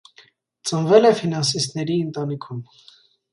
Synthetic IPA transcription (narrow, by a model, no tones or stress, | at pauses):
t͡sənvɛlɛfinɑns̬ist̪nɛɾiənt̪ɑnikʰum